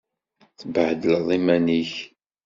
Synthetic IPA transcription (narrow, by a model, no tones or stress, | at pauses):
θəbəʕd̪ələðˤimæniç